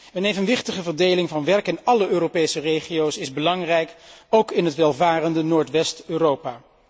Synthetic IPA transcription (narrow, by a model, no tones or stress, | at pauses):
ənejvənʋɪχtəχəvəɹdejlɪŋvɑnʋɛɹkɪnɑləʔøːropejsərejχijowsɪzbəlɑŋrɛjkowkɪnɦətʋɛlˠvaːrəndənoːɹtʋɛstøːrowpaː